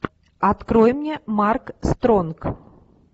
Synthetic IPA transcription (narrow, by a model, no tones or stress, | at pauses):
at̪kɾɔjmnʲɛmarkst̪ɾɔnk